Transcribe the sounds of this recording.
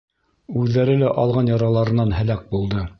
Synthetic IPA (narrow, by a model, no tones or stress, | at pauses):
ʉðːæɾɘlæʔɑlˠʁɑnjɑɾɑlˠɑɾɤ̆nːɑnhælæk̚bulˠd̪ɤ